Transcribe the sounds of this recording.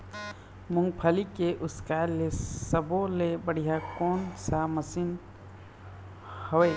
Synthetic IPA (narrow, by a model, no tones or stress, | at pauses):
mʊŋɡ̚pʰəlikeʔʊskalesəbolebəɽijakoːnsaməsin | hoeː